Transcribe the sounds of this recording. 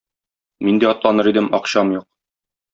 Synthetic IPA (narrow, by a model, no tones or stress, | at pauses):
mind̪iɒt̪lˠɑnɤɾid̪ɘmɒqɕɑmjuq̚